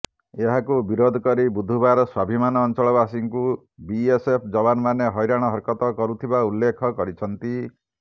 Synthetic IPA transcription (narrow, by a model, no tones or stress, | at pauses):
eɦakubiɾod̪ʱɔkɔɾibud̪ʱubaɾɔswabʱimanɔːnt͡ʃɔɭɔbasiŋɔku | biesepʰd͡ʒɔbanɔmaneɦɔjɾaɽ̃ɔɦɔɾkɔt̪ɔkɔɾut̪ʰibaulːekʰɔkɔɾit͡ʃʰɔnt̪i